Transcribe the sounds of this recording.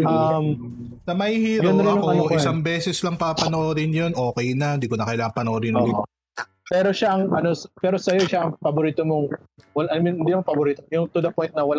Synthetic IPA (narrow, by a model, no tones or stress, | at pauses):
ɐm | sɐmɐhihiːɾjɐʊnːɐlɐŋkɐoɪsaŋbɛːsɛslɐŋpapɐnoʔoɾɪnjonʔo̞ːkɛjnɐnd̪iːkonɐkɐjlaːŋɐŋpɐnoʔod̪ɪnːi | pɛɾo̞ʃaʔɐŋʔɐnospɛːɾosɐjo̞ʃaʔɐŋpɐbʊɾiːt̪omoŋ | wɐlʔɐmɪnhɪnd̪impɐboɾiːt̪ojʊŋt̪ʊd̪ɐpojnt̪̚nɐwɐla